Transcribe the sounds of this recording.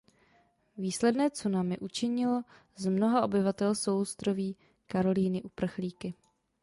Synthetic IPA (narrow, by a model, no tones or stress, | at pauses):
viːslɛdnɛːt͡sunamɪʔut͡ʃɪɲɪlo̞ | zmno̞ɦaʔo̞bɪvat̪ɛlsowst̪ɾoviː | kaɾo̞liːnɪʔupr̩xliːkɪ